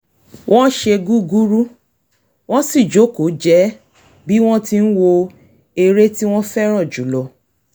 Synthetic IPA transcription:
wʔɔ̃˦ʃe˧ɡu˦ɡu˦ɾu˦ | w̃ɔ̃˦si˦˨d͡ʒo˨˦ko˨˦d͡ʒɛ˨˦ | bi˦w̃ɔ̃˦ti˧n̩˦wo˧ | e˧ɾe˦ti˦w̃ɔ̃˦fɛ˦ɾ̃ɔ̃˦˨d͡ʒu˨˦lɔ˧˨

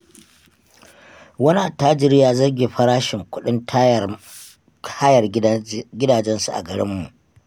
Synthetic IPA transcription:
wɐ˦ni˦ʔa˨taː˦d͡ʒɪ˨ɾjaː˦zɐ˦rɡʲeː˨ɸɐ˦ɽaː˦ʃɪ˨ŋkʷʊ˦ɗɪ˦nt | aː˦jɐ˨rɡʲɪ˦daː˨d͡ʒɛ˦nsu˨ʔa̰˨ɡɐ˨ɽɪ̰˦mːṵ˨ʔ

